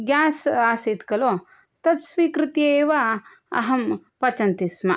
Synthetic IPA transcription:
ɡjaːsaːseːt̪kɐloː | t̪ɐt̪sʋiːkɾɨt̪jɐeːʋa | ɐ̰ɦɐmpɐt͡ʃɐnt̪ismɐ

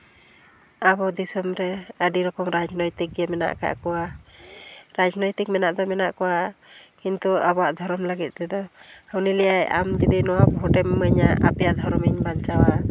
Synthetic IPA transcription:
abɔd̪isɔmɾɛəɖiɾɔkɔmɾad͡ʒnɔjt̪ik̚ɡɛmɛna̰ʔka̰ʔkɔwa | ɾad͡ʒnɔjt̪ik̚mɛnaʔd̪ɔmɛnaʔkɔwakint̪uabɔwaʔd̪ʱɔɾɔmləɡit̪̚ˀt̪ɛd̪ɔhawnilɛjajʔa̰md͡ʒid̪inɔwabɔɔʈɛmːəɲaʔa̰pɛjaʔd̪ʱɔɾɔmiɲbant͡ʃawa

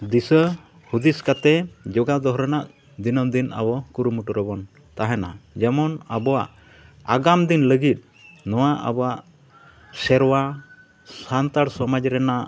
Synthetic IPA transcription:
d̪isə | hud̪iskat̪ɛd͡ʒɔɡad̪ɔɦɾɔnaʔ | d̪inɔmd̪ina̰bɔkuɾumuʈɔɾɔbɔn | t̪aɦɛna̰d͡ʒɛmɔnabɔwaʔ | aɡamd̪inləɡit̪̚ | nɔwaʔa̰bɔwaʔ | sɛɾwa | sant̪aɽsɔmad͡ʒɾɛnaʔ

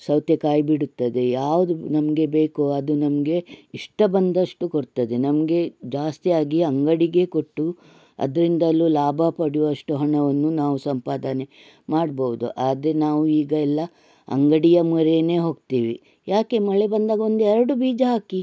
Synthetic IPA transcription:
sɐwt̪jɐkaːjbiɽut̪ːɐd̪e̞jaːʋud̪unɐmɐɡe̞beːkoɐd̪unɐmɐɡe̞iʂʈɐbɐnd̪ɐʂʈukoɽt̪ɐd̪e̞nɐmɐɡe̞d͡ʒaːst̪ijaːɡiɐŋɡɐɽiɡe̞koʈːu | ɐ̰d̪ɐɾind̪ɐlːulaːbʱɐpɐɽiʋɐʂʈuɦɐɳɐʋɐnːunaːʋusɐmpaːd̪ɐne̞ | maːɽbɐʋud̪ṵʔaːd̪ɾe̞naːʋuiːɡɐɛlːɐ | ɐ̰ŋɡɐɽijɐmuɾene̞ːɦo̞ːɡ̚t̪iːʋḭ | jaːke̞mɐɭe̞bɐnd̪aːɡɐo̞nd̪uɛɾɐɽubiːd͡ʒɐɦaːki

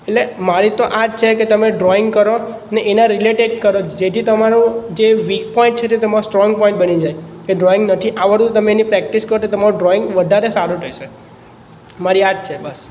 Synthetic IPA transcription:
eʈlemaɾit̪oʔaʈ̚t͡ʃʰeket̪əmeɖɾɔɪŋɡkəɾo | neʔenãɾileʈeɖkəɾod͡ʒet̪ʰit̪əmaɾũd͡ʒeʋikpɔĩɳʈ̚t͡ʃʰet̪et̪əmaɾosʈɾɔ̃ŋɡ̚pɔ̃ĩɳʈ̚bənid͡ʒajkeɖɾɔɪĩŋɡnət̪ʰiʔaʋəɾt̪ut̪əmeenipɾɛk̚ʈiskəɾot̪ʰet̪əmaɾõɖɾɔɪ̃ŋɡʋəd̪ʱaɾesaɾũt̪ʰəjʃe | maɾiaʈ̚t͡ʃʰebəs

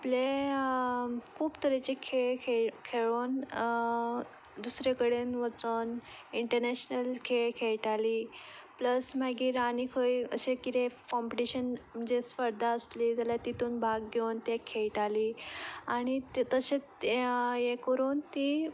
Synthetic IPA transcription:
aple | kʰuːbt̪əɾet͡ɕekʰeɭkʰeɭkʰeɭon | d̪usɾekəɽenʋət͡soniɳʈəɾneɕnəlkʰeɭkʰeɭʈaliːpləsmaɡiːɾanikʰəjə̰ɕekit̪ʰekɔmpiʈiɕənm̤əd͡ʑesfəɾd̪ʱaəsliːt̪alat̪it̪uːnbʱaɡɡewnt̪jɛkʰeɭʈaliːaɽ̃it̪t̪əɕe | jekəɾuːnt̪i

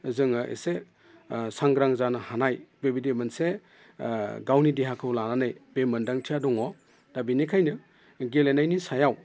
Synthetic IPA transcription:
zɯŋɯʔḛse | saŋɡɾaŋzanɯhanajbebidemɯnse | ɡawnidiɦakʰɯwlananɯjbemɯndaŋtʰijadɔŋɔ | dabinikʰajnɯ | ɡelenajnisajaw

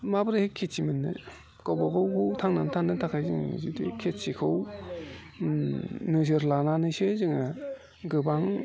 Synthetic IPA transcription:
mabɯɾɯhekʰːett͡ʃimɯnːɯ̰ | kowbakʰɯwkʰɯwtʰaŋnantʰaŋnɯtʰakʰajzɯ̰ŋ̰zidḭkʰetsikʰɯw | nɯzɯɾlananɯsezɯŋa | ɡɯbaŋ

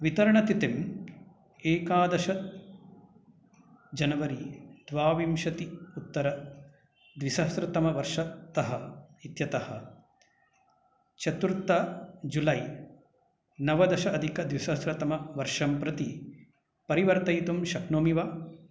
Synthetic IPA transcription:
ʋit̪ɐɾɐɳɐt̪it̪im | eːkaːd̪ɐʃɐ | d͡ʒɐnɐʋɐɾid̪̥ʋaːʋimʃɐt̪iut̪ːɐɾɐ | d̪ʋisɐsɾɐt̪ɐmɐʋɐɾʂɐt̪ɐɦɐit̪jɐt̪ɐhɐ̰̆ | t͡ʃɐt̪uɾt̪ɐd͡ʒulɐj | nɐʋɐd̪ɐʃɐɐd̪ʱikɐd̪ʋisɐsɾɐt̪ɐmɐʋɐɾʂɐmpɾɐt̪i | pɐɾiʋɐɾt̪ɐjt̪umʃɐknoːmiʋa

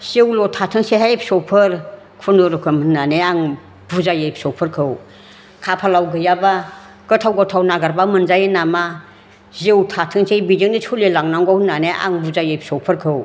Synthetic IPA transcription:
z̥ewlɔtʰatʰɯŋseɦajpsɔpʰɯɾ | kʰunɯɾɔkʰɯmhɯnːaneaŋ | buzajejp̚sɔpʰɯɾkʰɯw | kʰapʰalawɡɯjaba | ɡ̥ɯtʰawɡɔtʰawnaɡaɾbamɯnzajenama | zewtʰatʰɯŋsejbidiŋnisʰulelaŋnaŋɡahɯnːaneʔa̰ŋbuzajejp̚sɔpʰɯɾkʰɯw

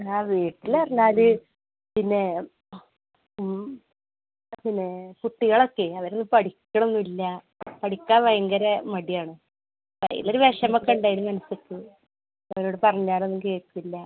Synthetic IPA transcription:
aːʋiːʈːilɐrɐɲːaːlɨ | pinːe̞ | pinːe̞puʈːiɣɐɭo̞kːe̞ɐʋɐɾenːɨpɐɽikʲːɐɳoenːuilːɐ | pɐɽikʲːaːʋɐjɐŋɡɐɾemɐɽijaːɳɨ | pɐ̰ḭloɾuʋeʂɐmɐkːeuɳɖaːjilumɐnɐsokːe | ɐʋɐɾo̞ːɽɨpɐrɐɲːaːnenːukeːtːilːɐ

